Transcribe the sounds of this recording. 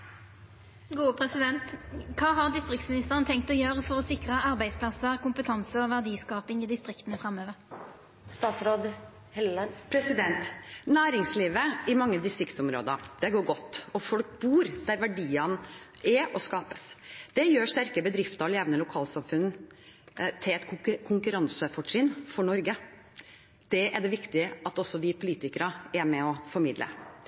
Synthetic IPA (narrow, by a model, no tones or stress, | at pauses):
ɡuːəpʰɾɛsɪd̪ɛnt̪kʰɑːɦɑʁd̪ɪst̪ʁɪkt̪smɪnɪst̪əʁənt̪ʰɛŋk̚t̪ɔjøːʁəfɔʁɔsɪkʁəɑʁbæɪd̪spʰlɑsəʁkʰʊmpət̪ʰɑnsəɔʋæʁd̪iːskɑːpɪŋɪd̪ɪst̪ʁɪkt̪ənəfʁɑmːøːʋəɾ | st̪ɑːt̪sɾoːd̪ | hɛpʰɾɛsɪd̪ɛnt̪næːɾɪŋsliːʋəɪmɑŋːəd̪ɪst̪ɾɪkt̪sʊmɾo̰ːd̪əɾd̪̥ɛɡoːɾɡɔt̪ːɔfɔlk̚buːɾd̪̥æɾʋæɖiːɑn | ɛɔskɑːpəsd̪̥ɛjøːʂt̪æɾkəbəd̪ɾɪft̪əɾɔleːʋnəlʊkʰɑːlsɑmfʉn | t̪ʰɪlɛt̪kʰʊŋkʉɾɑnsəfɔʈɾɪnfɔɳɔɾɡə | d̪̥ɛʔæɖɛʋɪkt̪ɪʔɑt̪ɔsːɔʋɪpʰʊliːt̪ɪkəɾəæɾmɛɔfɔɾmɪd̪lə̰